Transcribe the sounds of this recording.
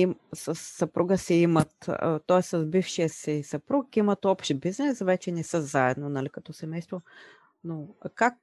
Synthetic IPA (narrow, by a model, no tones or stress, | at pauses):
imsəsːɐpɾuɡəsɛimət̪t̪ɔɛst̪sɐzbifʃijəsɛsɐpɾukkimət̪ɔpʃt̪ɛbiznɛsvɛt͡ʃɛnɛsəzaɛd̪nonɐlikɐt̪ɔsɛmɛjst̪vo | nokak̚